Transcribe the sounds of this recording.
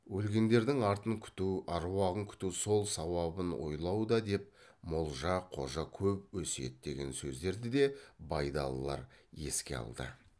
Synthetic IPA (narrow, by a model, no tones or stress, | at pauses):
wɵlɡʲe̞nd̪e̞ɾd̪ɪŋɑɾt̪əŋkʲʰʏ̥t̪uɑɾwɑʁəŋkʲʰʏ̥t̪uso̞lˠsɑwɑbənwo̞̰jlˠɑwd̪ɑd̪e̞p̚molˠʒɑqʰo̞̰ʒɑkʲʰɵpwɵse̞̰d̪̚d̪e̞ɡʲe̞nsɵzd̪e̞ɾd̪ɪd̪e̞bɑjd̪ɑ̰lˠːɑ̰ɾje̞̰skʲe̞̰ɑ̰lˠd̪ə̰